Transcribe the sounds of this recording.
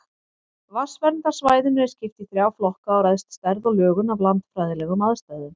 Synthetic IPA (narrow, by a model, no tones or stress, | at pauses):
vasvɛɾnt̪aɾ̥svaːjðʏnɛɾɪɾ̥scɪft̪iθɾjaːwflɔhkaːwɾɛjðst̪st̪ɛɾðɔɣlœːɣʏnavlant̪fɾajðɪlɛːɣʏmaðst̪ajðʏm